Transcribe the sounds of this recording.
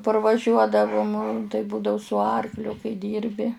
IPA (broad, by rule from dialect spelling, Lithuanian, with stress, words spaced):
pɐrʋɐˈʒʲuɔdɐʋʊm tɐɪ ˈbuːdɐʊ sʊ ˈɐrklʲʊ kɐɪ ˈdʲiːrʲbʲɪ